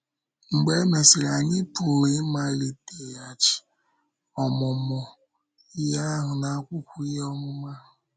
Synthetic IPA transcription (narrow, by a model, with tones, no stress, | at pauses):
ŋ͡m̩˨ɡ͡be˦me˨sɪ˨ɾa˨ɲɪ˦pʊ˨ɾi˨˦ma˦li˦te˨a˨t͡ʃɪ̥˨ | ɔ˨mʊ˨mʊ˨ | i˦ɦa˦a˦ɦʊ˨na˨a˦kʷʊ˦kʷu˦i˦ɦɔ˦ŋʊ˦ma˦ɦʊ˨